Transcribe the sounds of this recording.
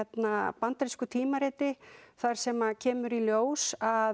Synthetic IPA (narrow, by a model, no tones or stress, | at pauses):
ɛt̪napant̪aɾiskʏt̪ʰiːmaɾeːt̪ɪθaɾ̥sɛmacʰɛːmʏɾiljoːwsa